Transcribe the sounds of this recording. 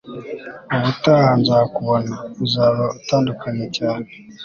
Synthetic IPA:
oβutahanzakuβonauzaɾotaːndukʰaɲecaːne

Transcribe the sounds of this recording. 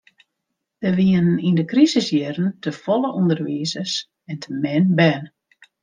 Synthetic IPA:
dəʋiənnindəkrisəsjɪrən̩təfɔləʔundərʋizəs | ɛntʰəmɛnbɛn

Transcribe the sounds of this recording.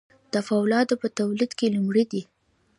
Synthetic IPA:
d̪̥əfawlɑd̪opət̪awlid̪kelumɽid̪i

